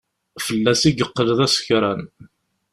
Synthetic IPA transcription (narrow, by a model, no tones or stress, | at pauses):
fəlːæsiɡəqːəlðæsçɾˤæn